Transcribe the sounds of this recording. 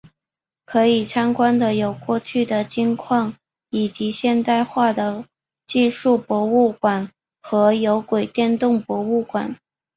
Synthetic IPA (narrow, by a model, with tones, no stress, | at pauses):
kʰɤ˧˥i˨˩t͡sʰɑ˥ŋkwa˥nd̪ə˨jo˨˩ʊkwɔ˥˧t͡ɕʰy˥˩d̪ə˩t͡ɕi˥ŋkʰwɑ˥˩ŋ | i˨˩t͡ɕi˧˥ɕjɛ˥˧nt̪a˥˧ɪxwa˥˩d̪ə˩ | t͡ɕi˥˧ʂu˥˩pwɔ˧˥u˥˩kwa˨˩n | xɤ˧˥jo˧˥ʊkwe˨˩ɪt̪jɛ˥˧nt̪ʊ˥˩ŋpwɔ˧˥u˥˩kwa̰˨˩˦n